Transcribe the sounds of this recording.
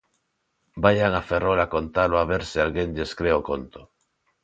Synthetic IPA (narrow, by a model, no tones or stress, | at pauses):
bajaŋaferolakont̪aloaβeɾsealɣeŋʎeskɾeokont̪o̥